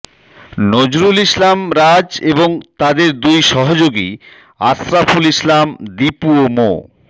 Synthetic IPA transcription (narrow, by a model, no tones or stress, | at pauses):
nod͡ʑɾulislamɾad͡ʑeboŋt̪ad̪eɾd̪ujʃɔɦod͡ʑoɡḭ | asɾafulislamd̪ipuomo̰